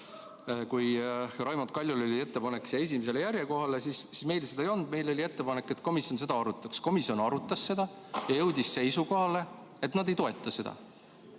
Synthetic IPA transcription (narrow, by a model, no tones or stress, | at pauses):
kujrɑjmɑt̪̚kɑlʲjulo̞lʲie̞t̪ːe̞pɑnekːsee̞s̬ʲimes̬e̞le̞jæɾʲjeko̞ɦɑle̞sissme̞jlsed̪̥ɑejo̞lnd̪me̞jlo̞lʲie̞t̪ːe̞pɑnekːˑe̞t̪ˑko̞misjo̞nse̞d̪̥ɑɑɾut̪ːˑɑksko̞misjo̞nɑɾut̪ːˑɑsːe̞d̪̥ɑ | jɑjɤwd̪̥ʲisːe̞jsuko̞ɦɑle̞ | et̪nɑd̪e̞jt̪o̞e̞t̪ˑːɑse̞d̪̥ɑ̰